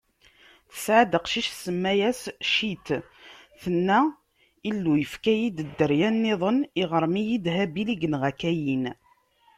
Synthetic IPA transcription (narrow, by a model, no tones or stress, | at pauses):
θə̥sʕad̪əqʃiʃsəmːæjæsʃit̪ | θənːæ | ilːujəfkæjid̪əd̪ːəɾjænːeðˤəniʁəɾmijid̪ɦæbiliɡənʁækæjin